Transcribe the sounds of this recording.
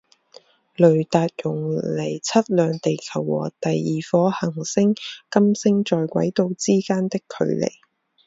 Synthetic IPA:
lɵ˨˩ɥt̪aː˨˧t̚jʊ˨˩ŋle˨˩jt͡sʰɐ˥t̚lœː˨˧ŋt̪e˨jkʰɐ˨˩wːɔ̰ː˨˩t̪ɐ˨jːiː˨fɔː˨˧hɐ˨˩ŋsɪ˥ŋkɐ˥msɪ˥ŋt͡ʃɔː˨jkʷɐ̰˨˥jt̪o˨˧wt͡siː˥kaː˥nt̪ɪ˥kʰːɵ̰˨˧ɥlḛ˨˩j

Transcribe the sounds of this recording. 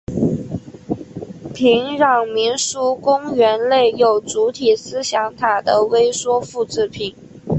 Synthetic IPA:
pʰi˧˥ŋɻɑ˥˩ŋmi˧˥nʂu˥kʊ˥ŋɥɛ˧˥nle˥˩ɪjo˨˩ʊt͡su˧˥t̪ʰi˨˩sɹ̩˥ɕjɑ˧˥ŋt̪ʰa˨˩d̪ə˦we˥ɪswɔ˥fu˥˧ʈ͡ʂɻ̩˥˩pʰi˨˩˦n

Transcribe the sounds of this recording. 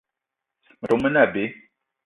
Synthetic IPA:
mə˨tɔ˨mə˦na˦˨be˨˦

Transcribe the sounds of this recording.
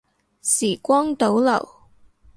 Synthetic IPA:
siː˨˩kʷɔː˥ŋt̪o˨˥wlɐ˨˩w

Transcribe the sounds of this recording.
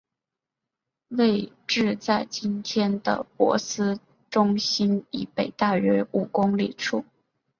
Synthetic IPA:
we˥˧ɪ | ʈ͡ʂɻ̩˥˧t͡sa˥˩ɪt͡ɕi˥nt̪ʰjɛ˥nd̪ə̰˨pwɔ̰˧˥sɹ̩˥ | ʈ͡ʂʊ˥ŋɕi˥ni˨˩pe˨˩ɪt̪a˥˩ɥɛ˥u˨˩kʊ˥ŋli˨˩ʈ͡ʂʰu˥˩

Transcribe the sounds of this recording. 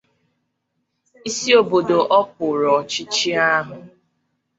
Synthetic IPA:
i˦si˦o˨bo˨do˨ʔɔ˦p̚ʊ˨ɾɔ˨t͡ʃi˦t͡ʃi˦a˦ɦʊ˨

